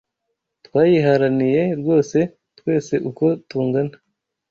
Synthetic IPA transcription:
twaːjiɦaɾanije̞ɾɡo̞ːse̞ | twe̞ːse̞ʔuko̞tuːŋɡana

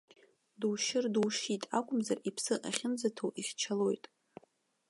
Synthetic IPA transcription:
duwʃɪrdwʂitʼakʷʼʊmzaripʰsɨʔaχʲɪnd͡zatʰowʔiχʲt͡ʃʰalo̞jtʼ

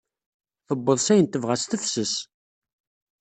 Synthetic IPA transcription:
θəbːəðˤsæjənt̪əvʁæst̪əfsəs

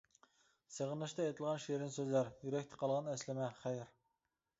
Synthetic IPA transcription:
seʁənlˠɑʃt̪ɑɛjt̪ʰɨlˠʁɑnʃeɾɪnsøzlæɾjyɾɛkʲt̪ʰɪ̥qʰɑlˠʁɑnɛslɪmɛχæjɪɾ

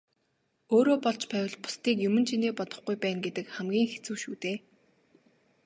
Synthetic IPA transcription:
oːɾoːpɔɮt͡ɕpæːw̆ʲɮpʊ̥st̪iːkjɵmɵ̆nt͡ɕʰiniːpɔt̪ɞ̆χɡujpæːnɡet̪ɘ̆kχæmɡʲiːŋxe̥t͡sɘ̆ːʃuːt̪eː

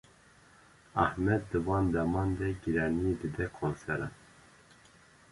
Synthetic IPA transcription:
ɑhmɛd̪̚ːɨvɑːnd̪ɛmɑːnd̪ɛɡiɾɑːnijed̪ɨd̪ɛkʰonsɛɾɑ̰n

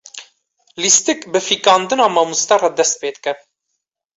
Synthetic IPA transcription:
list̪ɨkbɨfikɑːnd̪ɨnɑːmɑːmust̪ɛrɑd̪ɛst̪̚peːd̪kɛ

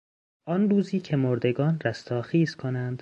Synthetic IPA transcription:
ʔɒnɾuːziːcʰe̞moɾd̪e̞ɡɒːnræst̪ʰɒːxiːzkʰonænd̪̥

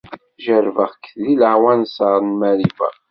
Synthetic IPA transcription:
ʒəɾvəʁkəθliləʕwænsəɾˤnmæɾivæ̰

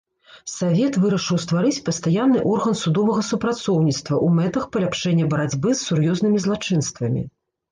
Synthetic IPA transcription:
savʲɛt̪vɨɾɐʂɨwst̪vaɾɨt͡sʲpɐst̪ajanːɨʔɔrɣɐnsud̪ɔvɐɣɐsupɾat̪sɔwnʲit̪st̪vɐʔumɛt̪ɐxpɐlʲapʂɛnʲːɐbɐɾad͡zʲbɨsːurjɔznɨmʲizlˠat͡ʂɨn̪st̪vɐmʲḭ

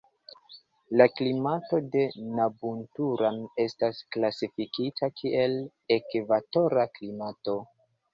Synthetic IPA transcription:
laklimato̞de̞nabuntuɾane̞stasklasifikitʰakʰiʔe̞l | ekvato̞ɾaklimato̞

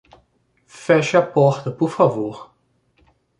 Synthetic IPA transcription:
fɛʃapɔʁt̪əpuʁfavoːʁ

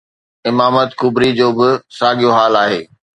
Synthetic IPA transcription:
ɪmaːmət̪kʊbɾid͡ʑoːbɪsaːɠijoɦaːlaːɦeː

